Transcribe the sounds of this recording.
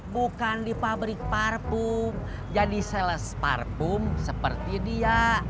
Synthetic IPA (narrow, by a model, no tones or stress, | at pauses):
bukandipabɾɪk̚parpum | d͡ʒadisɛləspa̰rpʊmsəpərt̪idia